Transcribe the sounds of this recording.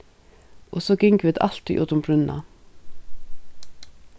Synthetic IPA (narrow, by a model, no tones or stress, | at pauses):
ʔoːsoːɡɪŋkʋɪːt̪ɑ̰lt̪ḭʔṵːt̪ʊmbɾʉnɑ̰